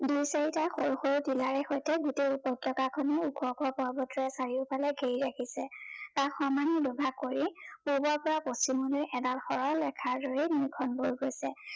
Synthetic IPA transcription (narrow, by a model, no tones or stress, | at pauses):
dujsaɹitaxoɹuxoɹutilaɹɛxɔjtɛɡuteupɔtːɔkakʰɔnɛuɡʰɔpɔpɔɹbɔtɔɹɛsaɹiʊpalɛɡʱeɹiɹakʰisɛtaxɔmanidɔbʱakoɹipubɔɹpɔɹapostimɔnɔjʔɛdalxɔɹɔlɛkʰaɹdɔɹimikʰɔnboɹɡojsɛ